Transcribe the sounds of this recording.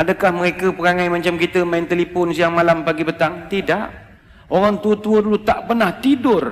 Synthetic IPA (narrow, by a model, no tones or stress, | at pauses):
adəkahməɾekəpəɾaŋajmat͡ʃamkit̪əmaɪnt̪elipɔnsijaŋmalampaɡibət̪aŋt̪idaʔ | oɾaŋt̪uət̪uədulut̪aʔpərnaht̪idʊr